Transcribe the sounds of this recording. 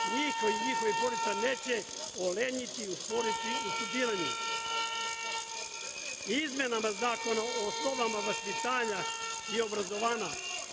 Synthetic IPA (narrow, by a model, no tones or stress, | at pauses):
ɲixojɲixoʋipoɾit̪saneːt͡ɕe | oleɲit̪iusʋoɾit̪iusupiːɾaɲṵ | izmʲjenamazaːko̞naosnoʋamaʋaspit̪aːɲa | io̞bɾazo̞ʋaːɲa